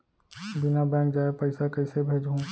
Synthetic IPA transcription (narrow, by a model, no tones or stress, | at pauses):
bɪnabɛ̃ːk̚d͡ʒaːepəɪsakɐɪsebʱeːd͡ʒɦũ